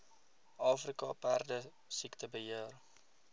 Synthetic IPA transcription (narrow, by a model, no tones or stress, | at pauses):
ʔɑːfrikɑpærdə | siktəbəɦiər